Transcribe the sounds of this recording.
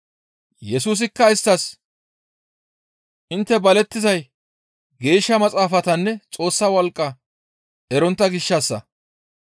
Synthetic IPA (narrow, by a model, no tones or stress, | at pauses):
jɛsuːs̬ɪkːɐɪst̪ːɐs | ʔɪnt̪ːɛbɐlɛt̪ːɪzɐj | ɡe̞ːʃːɐmɐt͡sʼaːfɐt̪ɐnːɛt͡sʼo̞ːsːɐwɔlkʼːɐ | ʔɛɾɔnt̪ːɐɡɪʃːɐsːɐ